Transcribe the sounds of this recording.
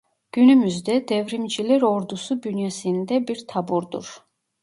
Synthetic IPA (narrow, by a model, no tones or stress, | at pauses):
ɡ̥ynymyzd̪ɛd̪ɛvɾimd͡ʒilɛɾɔɾd̪usubynjɛsind̪ɛbiɾt̪ʰabuɾd̪ṵɾ